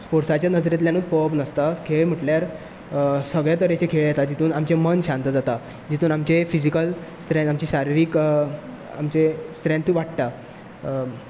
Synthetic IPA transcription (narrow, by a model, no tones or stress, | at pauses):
spoɾsat͡ɕjanəd͡zɾjat̪̬ljanuːd̪̚pəpnəst̪akʰeɭm̤əʈljaɾ | səɡɭjat̪̬əɾjet͡ɕekʰeɭjet̪ad͡ʑit̪ʰuːnamt͡ɕemənɕãnt̪əd͡zat̪a | d͡ʑit̪ʰuːnamt͡ɕefid͡ʑikəlst̪ɾẽnt̪amt͡ɕiːɕaɾiɾiːk | a̰mt͡ɕest̪ɾẽnt̪ʋaʈt̪a